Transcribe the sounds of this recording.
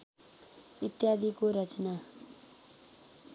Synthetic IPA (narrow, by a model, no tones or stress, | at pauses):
it̪jad̪ʱikoɾʌt͡sna